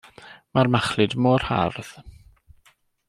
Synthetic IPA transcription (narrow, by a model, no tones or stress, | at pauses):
marmaχlɨdmɔːr̥ha̰rð̥